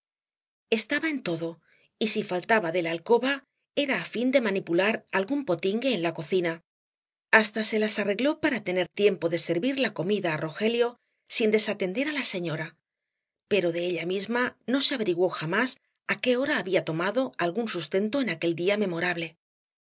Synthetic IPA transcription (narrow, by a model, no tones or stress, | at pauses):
e̞st̪aβaent̪o̞ðo̞ | isifalt̪aβaðe̞lalko̞βa | e̞ɾaːfind̪e̞manipulaɾalɣumpo̞t̪iŋɡe̞ːnlako̞θina | ast̪ase̞lasare̞ɣlo̞paɾat̪e̞ne̞ɾt̪je̞mpo̞ðe̞seɾβiɾlako̞miðaːro̞xe̞ljo̞ | sind̪e̞sat̪e̞nd̪e̞ɾalase̞ɲo̞ɾa | pe̞ɾo̞ðe̞eʎamizmano̞seaβe̞ɾiɣwoxamas | ake̞o̞ɾaːβiat̪o̞maðo̞alɣunsust̪e̞nt̪o̞e̞nake̞ld̪iame̞mo̞ɾaβle̞